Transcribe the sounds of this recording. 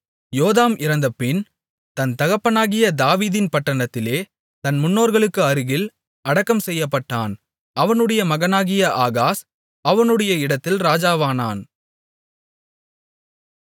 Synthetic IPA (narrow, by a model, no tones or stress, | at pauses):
joːðaːmɪɾɐnd̪ɐpːɪn | t̪ɐnt̪ɐɣɐpːɐnaːɣɪjɐd̪aːʋiːðɪnpɐʈːɐɳɐt̪ːɪleː | t̪ɐnmʊnːoːɾɣɐɭɯkːɯɐɾɯɣɪl | ɐɽɐkːɐmsɛjːɐpːɐʈːaːn | ɐʋɐnɯɽɐjɐmɐɣɐnaːɣɪjɐʔaːɣaːs | ɐʋɐnɯɽɐjɐɪɽɐt̪ːɪlɾaːd͡ʒaːʋaːna̰ːn